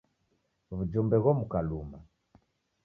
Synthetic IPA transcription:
vud͡ʒumbɛɣɔmukaluma

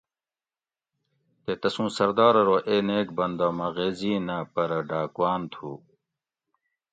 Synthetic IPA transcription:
t̪eːt̪ɐsũːsɐɾd̪aːɾɐɾoːʔeːneːk̚bɐnd̪aːmɐɣeːziːnɐpɐɾɐɖaːkwaːnt̪ʰuː

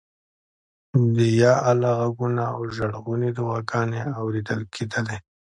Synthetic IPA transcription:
d̪əjɑʔalaɣaɡunaawʒaɽɣunid̪əɣɑɡɑːneawɾed̪əlkʰed̪əle

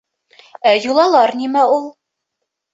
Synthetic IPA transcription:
æjulˠɑlˠɑɾnimæulˠ

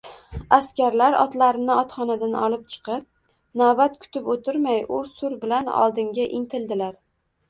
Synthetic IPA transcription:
askʲaɾlaɾɒ̰t̪laɾɪnɪɒt̪χɒnad̪anɒlˠɪp̚t͡ʃʰɨ̥qɨp̚ | nabat̪kʰʊ̥t̪ɪpot̪ʰɪɾmajʊɾsʊɾbɪlanɒ̰lˠd̪ɪŋɡʲaʔɪŋt̪ʰɪld̪ɪlaɾ

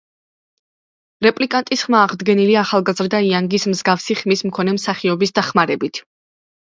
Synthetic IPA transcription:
ɾɛpʼlikʼant̪ʼisχmaːʁd̪ɡɛniliaːχalˠɡazɾd̪aiaŋɡismzɡafsiχmismkʰɔnɛmsaχiɔbisd̪aχmaɾɛbit̪ʰ

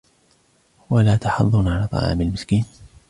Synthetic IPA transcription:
walaːt̪ɑħɑðˤːʊnʕalaːt̪ˤɑ̰ʕɑ̰ːmɪlmɪskiːn

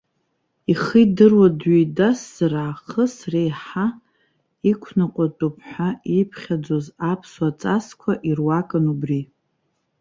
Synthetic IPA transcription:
iχidɨrwadɥidasːaraːχəsrejħa | ikʷʰnaqʷʼatʼupʰħʷᶣaipʰχʲad͡zozapʰswat͡sʼaskʷʰaʔirwakʼɨnubri

